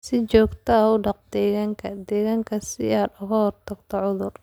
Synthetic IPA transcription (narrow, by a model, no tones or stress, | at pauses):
sɪt͡ʃɔːɡt̪ʰɐɐʊɖɑqd̪ɛːɣaːŋkʰɐd̪ɛːɣaːŋkʰɐsɪ̰aːd̪ʊɣɐhɔrt̪ʰɐɡt̪ʰɔʕʊðʊr